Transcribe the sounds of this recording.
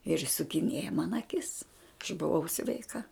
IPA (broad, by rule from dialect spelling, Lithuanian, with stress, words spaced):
ɪr ɪʃsʊkʲɪˈnʲiɛjɛ mɐn ɐˈkʲɪs ɐʃ bʊˈʋɐʊ sʲʋʲɛɪˈkɐ